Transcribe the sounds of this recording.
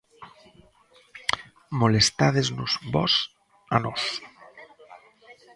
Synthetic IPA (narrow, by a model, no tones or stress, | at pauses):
molest̪aðeznuzbɔs | anos